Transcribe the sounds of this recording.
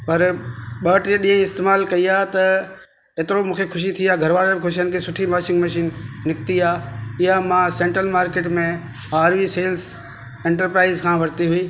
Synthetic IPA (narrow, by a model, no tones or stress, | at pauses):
pɐɾɓəːʈeɗĩːɦə̃ɪst̪eːmaːlkɐiaːt̪ɐ | eːt̪ɪɾomũːkʰekʰʊʃ̬it̪ʰiaːɡʱɐɾʋaːɾebkʰʊʃijənɪkʰesʊʈʰimaːʃɪ̃ŋɡmɐʃiːnːɪk̚t̪iaːɪjamãːsɛ̃ɳʈɾəlmaːɾkeːʈmẽ | aːɾʋiːseːls | ẽːɳʈəɾpɾaːɪzkʰãːʋɐɾt̪iɦʊiː